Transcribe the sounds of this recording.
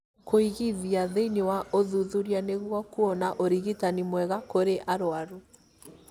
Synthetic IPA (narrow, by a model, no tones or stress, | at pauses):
kʰoiɣiðiaðeinewaoðuðuɾianeɣwɔkuɔnaʔoɾiɣitanimwɛɣakoɾeʔaɾoaɾu